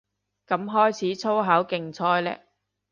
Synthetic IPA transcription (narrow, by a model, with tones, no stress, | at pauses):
kɐ˨˥mɦɔː˥jt͡sʰiː˨˥t͡sʰo˥wɦɐ˨˥wkɪ˨ŋt͡sʰɔː˥jlɛ̰ː˥